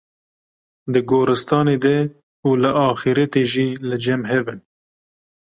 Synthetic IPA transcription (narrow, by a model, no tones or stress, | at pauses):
d̪ɨɡoːɾɨst̪ɑːneːd̪ɛ | uːlɨʔɑːxiɾɛt̪eːʒiːlɨd͡ʒɛmɦɛbɨn